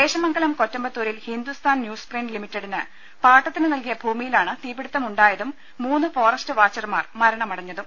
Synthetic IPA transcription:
d̪e̞ːɕɐmɐŋɡɐlɐmkotːɐmbɐt̪ːuːɾilhind̪ust̪ʰaːnnjuːspreːnɖlimitːɐɽinɨ | paːʈːɐt̪ːinɨnɐlkijɐbʱuːmijilaːɳɨt̪iːbiɽut̪ːɐmuɳɖaːjɐðumː | uːnːɨfo̞ːrɐstɨʋaːt͡ɕːɐrmaːrmɐɾɐɳɐmɐɽɐɲːɐðum

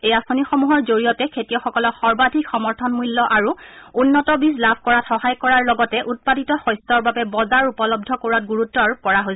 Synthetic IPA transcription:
ejasonixomuɦɔɹzoɹijɔtɛkʰetijɔxɔkɔlɔkxɔɹbadʱikxɔmɔɹtʰɔnmulːɔʔaɹuunːɔtɔbislabʰʱkɔɹatxɔhajkɔɹaɹlɔɡɔtɛʔut̚paditɔxɔjstɔɹbabɛbɔzaɹupɔlɔb̚dʱɔkoɹɔt̚ɡuɹutːɔɹkɔɹaɦo

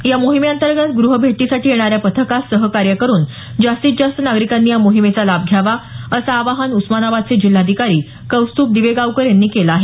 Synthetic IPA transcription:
jamoɦimejant̪əɾɡət̪ɡɾuɦəbʱeʈisaʈʰiːjeɽ̃aɾjapət̪ʰəkasəɦəkaɾjəkəɾuːn | d͡ʑast̪iːt̪d͡ʑast̪ənaɡɾikanːiːjamoɦimet͡salab̚ɡʱjaʋaəsaːʋaɦanusmanaʋad̪̚t͡sed͡ʑil̤ːad̪ʱikaɾiː | kəwst̪uːp̚d̪iʋeɡawkəɾjanːiːkelaːɦe

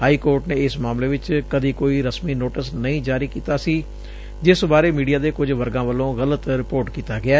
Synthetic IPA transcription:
ɦaːiːkoːɾʈnẽːɪsmaːmleːʋɪt͡ʃkəd̪iːkoːiːɾəsmiːnoːʈəsnəĩːd͡ʒaːɾiːkiːt̪aːsiː | d͡ʒɪsbaːɾeːmiːɖijaːd̪eːkʊd͡ʒʋəɾɡãːʋəlõːɣələt̪ɾɪpoːɾʈkiːt̪aːɡɪaː

